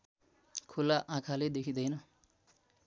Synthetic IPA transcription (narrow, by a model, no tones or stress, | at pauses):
kʰulaʔãkʰaled̪ekʰid̪ʌjnʌ